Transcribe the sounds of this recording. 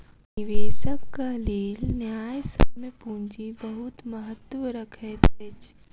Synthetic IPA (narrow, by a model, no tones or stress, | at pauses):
niʋeːsəkːaleːlnjaːjsə̰mepũɲd͡ʒibəɦʊt̪məɦət̪ːʋɾəkʰɛd̪d͡ʒ